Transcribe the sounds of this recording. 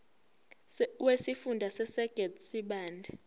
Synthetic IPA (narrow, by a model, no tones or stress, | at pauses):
wesifundʱasɛsɛɡ̥ʱɛdsiɓaːndʱɛ